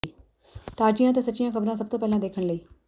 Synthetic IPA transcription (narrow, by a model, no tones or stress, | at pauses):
t̪aːd͡ʑijãt̪esət͡ɕijãkʰəbɾãs̬əb̚t̪oːpɛɦlãd̪eːkʰəɳleː